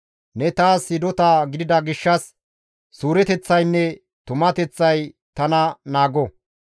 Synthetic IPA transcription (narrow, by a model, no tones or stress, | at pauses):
nɛt̪aːshɪd̪ɔt̪aːɡɪd̪ɪd̪ɐɡɪʃːɐs | suːɾɛt̪ɛt͡sːɐjnːɛ | t̪ʊmɐt̪ɛt͡sːɐj | t̪ɐnɐnaːɡɔ